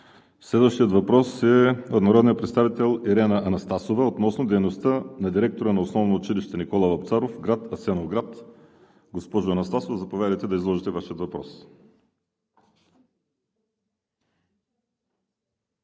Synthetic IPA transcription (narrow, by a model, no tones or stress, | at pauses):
slɛd̪vəʃt̪ijət̪vɐpɾɔsɛod̪nɐɾɔd̪nijəpɾɛt̪st̪avit̪ɛlˠiɾɛnɐʔɐnɐst̪asovɐot̪nɔsnod̪ɛjnost̪ənɐd̪iɾɛk̚t̪oɾənɐosnɔvnoːt͡ʃiliʃt̪ɛnikolˠɐvɐpt̪saɾofɡɾat̪ɐsɛnovɡɾat̪ | ɡospɔʒoɐnɐst̪asovəzɐpovʲjad̪əjt̪ɛd̪ɐizlˠɔʒit̪ɛvaʃiət̪vɐpɾɔs